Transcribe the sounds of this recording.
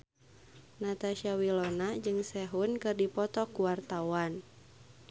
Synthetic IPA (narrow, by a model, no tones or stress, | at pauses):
nat̪aʃiawilɔnad͡ʒɨŋsɛɦunkɨrdipɔt̪ɔkuwart̪awan